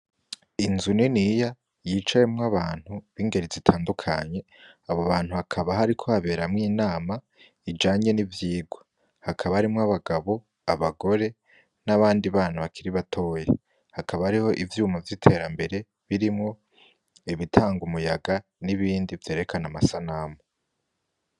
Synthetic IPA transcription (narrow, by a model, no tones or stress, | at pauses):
inzuninija | jiːt͡ʃajemŋaβaːn̥huβiŋɡe̞ɾizitʰaːndukʰaɲe̞ | aβoβaːn̥huhakʰaβaɦaɾikʰohaβe̞ːɾamŋiːnaːma | id͡ʒaːɲe̞nivjiːɡwḁ | hakʰaβahaɾimŋaβaɡaβo̞ | aβaɡo̞ɾe̞ | naβaːndiβaːnaβakʰiɾiβatʰo̞ːje | hakʰaβaːɾiho̞ʔivjuːmavjitʰe̞ːɾambe̞ɾe̞ | βiɾimŋo̞ | iβitʰaːŋɡumujaɡaniβiːndivje̞ːɾe̞kʰanamasanamo